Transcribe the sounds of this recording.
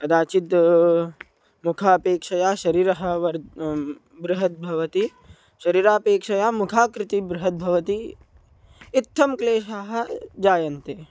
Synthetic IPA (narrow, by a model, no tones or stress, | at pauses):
pɐd̪aːt͡ʃit̪ | mukʰaːpeːkʂɐjaːʃɐɾiːɾɐɦɐ̆ʋɐɾ | bɾuɦɐt̪̚bʱɐʋɐt̪i | ʃɐɾiːɾaːpeːkʂɐjaːmukʰaːkɾɪt̪ibɾʊɦɐt̪̚bʱɐʋɐt̪i | t̪ʰːɐmkleːʃaːɦɐ̆d͡ʒaːjɐnt̪eː